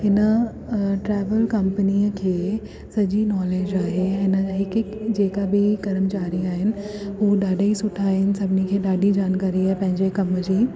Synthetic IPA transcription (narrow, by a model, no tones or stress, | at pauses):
ɦɪnə | ʈɾɛːʋəlkɐmpəniːəkʰeː | sɐʄinɔːleːd͡ʑaːɦeɦɪnəɦɪkɦɪkd͡ʑeːkabɪɡɐɾəmt͡ɕaːɾiaːɦɪnɪ̆ | ɦuːɗaːɖʱaisʊʈʰaːɦɪnɪ̆sɐbʱɪnikʰeːɗaːɖid͡ʑaːnkaːɾiaːɦepɐ̃ɦɪ̃ɲd͡ʑekɐmd͡ʑiː